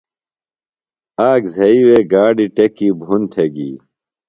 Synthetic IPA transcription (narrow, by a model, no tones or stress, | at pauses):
aːɡzʱɐiweɡaːɖiʈekiːbʱunt̪ʰeɡḭː